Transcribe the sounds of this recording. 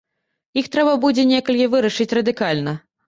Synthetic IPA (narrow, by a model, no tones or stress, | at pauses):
ixt̪ɾɛbɐbud͡zʲɛnʲɛkɐlʲkʲivɨɾɐʂɨt͡sʲrɐd̪ɨkalʲnɐ